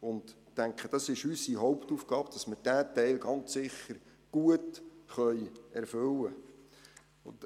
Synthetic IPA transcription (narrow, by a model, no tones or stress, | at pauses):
ʊnd | tːæŋkχəd̥ɑsɪʃysiɦɔʊptufɡ̥ɑːb̥d̥ɑsməd̥æːtɛɪlɡɑnt͡ssɪχːəɾ | ɡ̥uətχœʏɛɾfʏlːə | ʊn